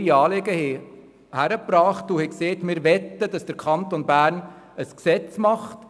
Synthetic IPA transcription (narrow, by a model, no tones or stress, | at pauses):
iɑːleɡəhɛ | hæɾəpɾɑːχtuhɛkseːt̪mɪːɾʋɛt̪ːədɑsd̥əɾkʰχɑnt̪onbæːɾn | əsksɛt͡smɑχt